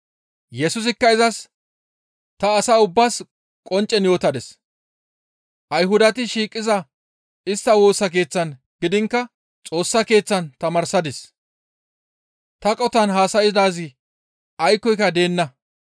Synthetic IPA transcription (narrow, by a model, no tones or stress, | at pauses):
jɛsʊs̬ɪkːɐɪzɐs | t̪ɐːsaːʊbːaːs | kʼɔnt͡ʃʼːɛnjo̞ːt̪ɐd̪ɛs | ʔɐjɦʊd̪ɐt̪ɪʃiːkʼːɪzɐ | ɪst̪ːɐwo̞ːsːɐk̬e̞ːt͡sːɐn | ɡ̥ɪd̪ɪŋkːɐ | t͡sʼo̞ːsːɐke̞ːt͡sːɐnt̪ɐmɐɾsɐd̪ɛs | t̪ɐkʼɔt̪ɐnɦaːsɐjɪd̪aːzɪ | ɐjkːɔjkːɐd̪e̞ːnːɐ